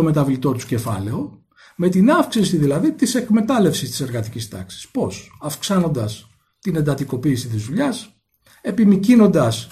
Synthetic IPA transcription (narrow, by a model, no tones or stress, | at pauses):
o̞me̞t̪ɐvlit̪o̞t̪u̥ce̞fɐ̰le̞o̞ | me̞t̪inɐfksisiðilɐðit̪ise̞kme̞t̪ɐle̞fsist̪i̥se̞ɾɣɐt̪icist̪ɐ̰ksi̥spo̞sɐfksɐno̞nd̪ɐs | t̪inend̪ɐt̪iko̞piːsit̪izðuʎɐs | e̞pimicino̞nd̪ɐs